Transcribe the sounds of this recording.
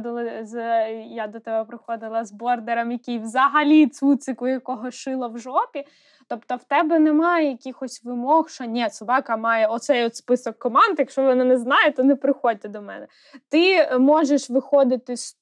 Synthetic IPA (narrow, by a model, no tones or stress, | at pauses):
d̪ɪlˠɪzjad̪ɔt̪ɛbɛpɾɪxɔd̪ɪlˠɐzbɔrd̪eɾɐmjɐkʲijwzɐɦɐlʲit̪sut̪sɪkʊjɐkɔɦɔʃɪlˠɐwʒɔpʲi | t̪ɔpt̪ɔwt̪ɛbɛnɛmɑjɛjɐkʲixɔsʲʋɪmɔxʃt͡ʃɔnʲɛsʊbɑkɐmɑjɛɔt̪sɛjɔt̪spɪsɔkːɔmɑnd̪jɐkʃt͡ʃɔʋɔnɪnɛznɑjɛt̪ɔnɛpɾɪxɔd̚ʲt̪ɛd̪ɔmɛ̰nɛ | t̪ɪmɔʒeʃʋɪxɔd̪ɪt̪ɪsʲ